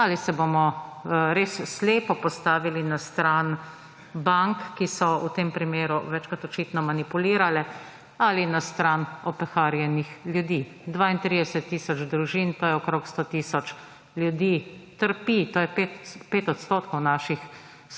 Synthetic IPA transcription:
alisɛbomɔɾeːsːleːpɔpɔst̪aːʋilinast̪ɾaːn | baŋkːisɔut̪eːmpɾimeːɾuʋɛt͡ʃkat̪ɔt͡ʃiːt̪nɔmanipuliːɾalɛ | alinast̪ɾanɔpɛxaːɾjɛnixljud̪iː | d̪ʋaːint̪ɾid̪ɛsɛt̪ːiːsɔt͡ʃd̪ɾuʒiːnt̪oːjɛɔkɾoːkst̪oːt̪iːsɔt͡ʃ | ljud̪iːt̪əɾpit̪oːjɛpet̪peːt̪ɔt̪st̪oːt̪kɔwnaːʃix

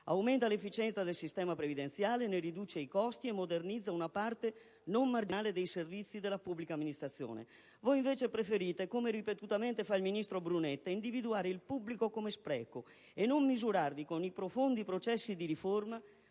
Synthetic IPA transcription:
a̰wment̪alefːit͡ʃɛnt̪sad̪elsist̪ɛːmapɾevid̪ent̪sjaːleneɾid̪uːt͡ʃeikɔst̪iemːod̪ernid̪zːaunapart̪e | nomːard͡ʒiaːled̪ejservit̪sːid̪elːapubːlikamːinist̪ɾat̪sːjo̰ːnḛ | voiɱveːt͡ʃepɾefeɾiːt̪ekomeɾipet̪ut̪ament̪efailminist̪ɾobɾunet̪ːaind̪ivid̪uaːɾeilpubːlikokomespɾɛ̰ːko | enːomːizuɾarvikonipɾofond̪ipɾot͡ʃɛsːid̪iɾiforma

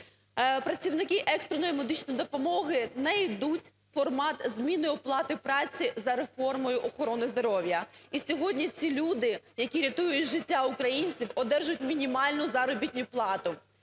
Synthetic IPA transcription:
pɾɐt͡sʲiwnɪkɪʔɛkst̪ɾenɔjimɔd̪ɪt͡ʃnɔjd̪ɔpɔmɔɦɪnɛjd̪utʲ | fɔrmɑt̪zʲmʲinɪɔplˠɑt̪ɪpɾɑt͡sʲizɐɾefɔrmɔjʊʔɔxɔɾɔnɪzd̪ɔɾɔwʲjɐisʲɔɦɔdʲnʲit͡sʲilʲud̪ɪjɐkʲiɾʲɐt̪ujʊtʲʒɪtʲːaʊkɾɐjinʲt͡sʲiwɔd̪ɛrʒʊtʲmʲinʲimɑlʲnʊzɑɾɔbʲit̪ʲnʲʊplˠɑt̪ʊ

